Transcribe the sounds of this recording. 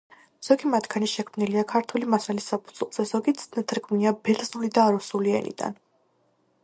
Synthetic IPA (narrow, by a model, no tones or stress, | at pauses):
z̥ɔɡimat̪ʰɡaniʃɛkʰmniliakʰaɾt̪ʰwulimasalisːapʰud̪z̥wɛlˠz̥ɛzɔɡit̪snɛt̪ʰɾɡuniabɛlznulid̪aːɾusuliɛ̰nḭd̪̥a̰n